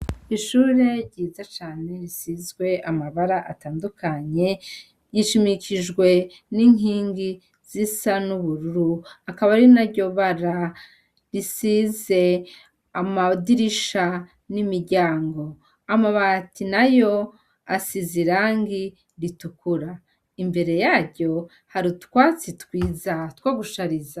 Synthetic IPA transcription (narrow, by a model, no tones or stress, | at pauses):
iʃuːɾe̞ɾɟiːzat͡ʃaːne̞ɾisizɡwe̞ʔamaβaɾaʔataːndukaɲe̞ | ɟiʃimiciʒɡwe̞ | niŋiːŋɡi | z̥isanuβuɾuɾuakaβaɾinaɾɟo̞βaɾa | ɾisize̞ | amadiɾiʃa | nimiɾɟaːŋɡo̞ | amaβatʰinajo̞ | asiziɾaːŋɡi | ɾitukuɾa | imbe̞ɾe̞jaːɾɟo̞ | haɾitkwaːt͡sitkwiːzatwaːɡuʃaɾiza